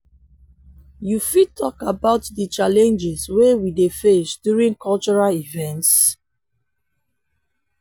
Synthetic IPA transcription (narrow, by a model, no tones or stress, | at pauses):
jufid̚tʰɔkabaʊtdət͡ʃalɛ̃nd͡ʒɛswewidefesdjuɹĩŋkʰɔlt͡ʃɔɹalivɛ̃nts